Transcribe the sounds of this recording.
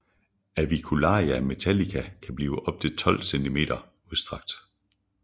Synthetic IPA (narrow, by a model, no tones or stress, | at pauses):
æʋikʰulɑ̰̈ːjæme̝t͡sʰælikʰækʰæb̥liːʊəʔɒ̽b̥̚t͡sʰet͡sʰɒ̽l̰send̥ʰime̝̰ːd̥ɐ | uðˠsd̥ʁɑ̈ɡ̥̚d̥